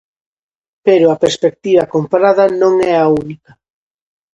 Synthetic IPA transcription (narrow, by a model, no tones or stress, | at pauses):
peɾʊɐpeɾspek̚t̪iβɐkompaɾaðɐnõŋɛaunikɐ